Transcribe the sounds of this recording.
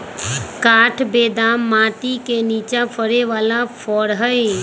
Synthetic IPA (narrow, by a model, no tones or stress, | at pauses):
kaːʈʰbeːd̪aːmːãːt̪ikeniːt͡ʃãpʰəɾeʋaːlãfʰɔɽɦəe